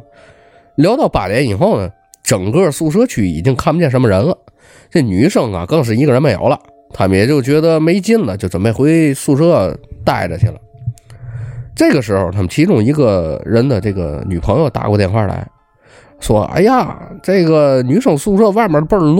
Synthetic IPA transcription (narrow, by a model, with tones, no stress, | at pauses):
ljɑ˧˥ʊt̪ɑ˥˩ʊpa̰˨˩njɛ˧˥ni˨˩xo˥˩ʊnə˩ | ʈ͡ʂɤ˨˩ŋkɤ˥˩su˥˧ʂ̬ɤ˥t͡ɕʰy˥˩ḭ˨˩t͡ɕi˥ŋkʰa˥˩npt͡ɕjɛ˥˩nʂə˧˥mə˧ɻə˧˥nlə˧ | ne˥˩˧ny˧˥ʂɤ˥˩ŋɐ̰˨kɤ˥˧ŋʂ̬ɻ̩˥˩i˧˥ɡə˧ɻə˧˥nme˥˩jɑ̰˨˧˥ʊlɐ̰˧ | t̪ʰa˥mə˨˧jɛ˨˩t͡ɕjo˥˩ʊt͡ɕɥɛ˧˥d̪ə˧me˧˥ɪt͡ɕi˥nlə˨t͡ɕjo˥˩ʊt͡sə˨˩nme˥˩xwe˧˥ɪsu˥˧ʂɤ˥t̪a˥˩ɪʈ͡ʂə̰˩t͡ɕʰḭ˨˩la̰˧˦ | ʈ͡ʂɤ˥˩ɪɡə˩ʂɻ̩˧˥xo˧˩ʊt̪ʰa˥mə˨nt͡ɕʰi˧˥ʈ͡ʂʊ˥˩ŋi˧˥ɡə˧ɻə˧˥nd̪ə˧ʈ͡ʂɤ˥˩ɡə̰˩ny˨˩pʰɤ˧˥ŋjo˧ʊt̪a̰˨˧˩kɔ˧t̪jɛ˥˧nxwa̰˥˩la̰˧˥ɪ | ʂwɔ˥a̰˥ɪja̰˨˩ʈ͡ʂe˥˩ɡə˩ny˧˥ʂɤ˥˩ŋəsu˥˧ʂɤ˥wa˥˩ɪmjə˧˥pə˥˧l